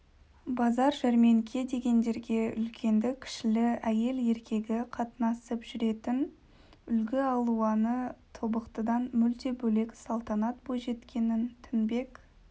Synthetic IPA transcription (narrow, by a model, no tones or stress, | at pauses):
bɑzɑɾʒæɾme̞ŋkʲʰe̞d̪e̞ɡʲe̞nd̪e̞ɾɡʲe̞ʏ̰lkʲʰe̞nd̪ɪkʲʰɪ̥ʃɪlɪæje̞le̞ɾkʲʰe̞ɡʲɪqʰɑt̪nɑsəpʒ̥ʏɾe̞t̪ɪn | ʏlɡʲɪɑlˠuɑnət̪ʰo̞bəqt̪əd̪ɑnmʏlt̪e̞bɵle̞ksɑlˠt̪ɑnɑt̪bojʒe̞t̪kʲe̞nɪnt̪ʰʏnbe̞k